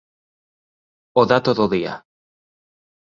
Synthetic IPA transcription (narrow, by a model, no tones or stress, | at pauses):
oðat̪oðoðia̰